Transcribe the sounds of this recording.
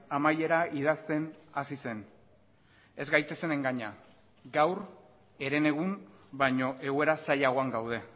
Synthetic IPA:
amaje̞ɾaið̞ast̪e̞nasise̞n | e̞zɡajt̪e̞se̞ne̞ŋɡaɲa | ɡawr | e̞ɾe̞ne̞ɣ̞unbaɲo̞ʔe̞ɣue̞ɾasajaɣo̞aŋɡawð̞e̞

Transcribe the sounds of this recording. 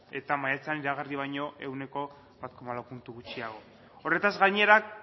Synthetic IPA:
e̞t̪amajat͡se̞aniɾaɣ̞ariβ̞ajɲo̞ʔe̞wne̞ko̞ | βat̪̚ko̞malawpunt̪uɣut͡ʃiaɣ̞o̞ | o̞re̞t̪azɣajɲe̞ɾak

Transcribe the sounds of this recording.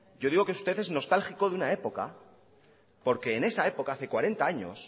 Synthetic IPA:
ɟ͡ʝo̞ðiɣo̞keu̥st̪e̞θe̞zno̞st̪alxiko̞ðeunae̞po̞ka̰ | po̞ɾke̞ːne̞sae̞po̞kaaθe̞kwaɾe̞nt̪aaɲo̞̰s

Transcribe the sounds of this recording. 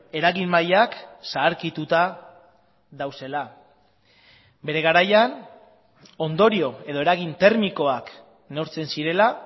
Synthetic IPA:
e̞ɾaɣimmajaksaːɾkit̪ut̪a | ðawse̞la | be̞ɾe̞ɣ̞aɾajan | o̞nd̪o̞ɾio̞e̞ðo̞e̞ɾaɣ̞int̪e̞ɾmiko̞ak | neoɾt͡se̞nsiɾe̞la

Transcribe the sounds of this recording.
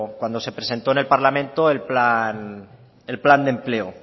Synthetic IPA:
kwand̪o̞se̞pɾese̞nt̪o̞ene̞lpaɾlamẽnt̪oelplan | elpland̪emple̞o

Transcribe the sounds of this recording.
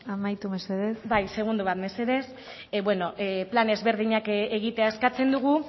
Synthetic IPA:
amajt̪umeseðesbajse̞ɣ̞und̪uβat̪me̞se̞ðe̞s | bwe̞no̞ʔplane̞zβe̞ɾðiɲakeɣ̞it̪e̞aeskat͡se̞nd̪uɣ̞u

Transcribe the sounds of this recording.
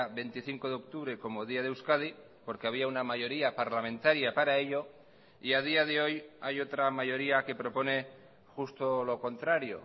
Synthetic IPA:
βe̞nt̪iθiŋko̞ð̞eo̞k̚t̪uβɾe̞ko̞mo̞ðiað̞ewskað̞i | po̞ɾke̞aβ̞iaunamaʝo̞ɾiapaɾlamẽ̞nt̪aɾjapaɾae̞ʎo̞ | iað̞iaðe̞o̞jajo̞t̪ɾamaʝo̞ɾiake̞pɾo̞po̞ne̞ | xust̪o̞lo̞ko̞nt̪ɾaɾjo̞̰

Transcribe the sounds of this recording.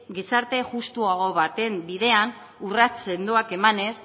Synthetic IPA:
ɡisaɾt̪e̞ʝust̪uaɣ̞o̞βat̪e̞mbiðe̞an | urat͡se̞nd̪uake̞mane̞s

